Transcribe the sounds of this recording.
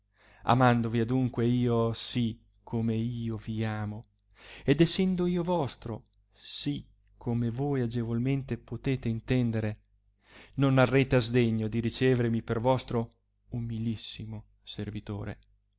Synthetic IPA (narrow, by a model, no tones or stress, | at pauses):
a̰mand̪oviad̪uŋkweiːosi | kʰomeiːoviaːmo | ed̪ɛsːɛnd̪oiːovɔst̪ɾo | si | kʰːomevojad͡ʒevolment̪epot̪eːt̪eint̪ɛnd̪eɾe | nonarːeːt̪eazd̪eɲːod̪iɾit͡ʃeːvermipervɔst̪ɾo | umilisːimo | servit̪o̰ːɾḛ